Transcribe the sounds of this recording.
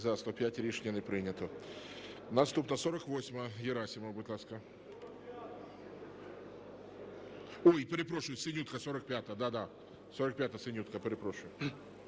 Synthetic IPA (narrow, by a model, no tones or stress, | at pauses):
zast̪opʲætʲɾʲiʂnʲɪnɨpɾʲinʲət̪ʊ | nɐst̪upnəsoɾəkvosʲməjɪɾasʲɪməbʊt̪lˠaskə | oipəɾʲɪpɾoʂʊjʊsʲɪnʲut̪kəsoɾəkpʲat̪əjəd̪ad̪a | soɾək̚pʲat̪əjəsʲɪnʲut̪̚kəpəɾʲɪpɾoʂʊjʊ